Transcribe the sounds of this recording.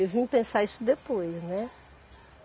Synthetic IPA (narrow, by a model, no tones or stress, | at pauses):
ewvĩpẽsaisʊd̪epojznɛ